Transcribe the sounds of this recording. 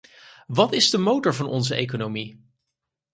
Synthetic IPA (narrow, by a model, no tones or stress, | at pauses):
ʋɑtɪzdəmowtɔɹvɑnʔɔ̰nzəejkonowmi